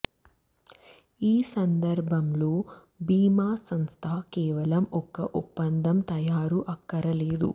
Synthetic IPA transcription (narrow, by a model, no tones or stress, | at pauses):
iːsɐnd̪ɐɾbʱɐmlo̞ː | biːmaːsɐmst̪ʰaːkɛːʋɐlɐmɔkɐʔupːɐnd̪ʱɐmt̪ɐjaːɾuʔɐkːɐɾɐleːd̪ṵ